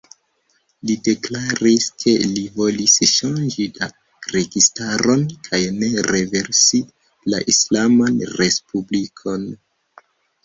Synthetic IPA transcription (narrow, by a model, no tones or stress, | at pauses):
lide̞klaɾiskʰe̞livo̞lisʃand͡ʒida | ɾe̞ɡistaɾo̞nkʰajne̞ɾe̞ve̞ɾsi | la̰ʔislamanɾe̞spublikʰo̞n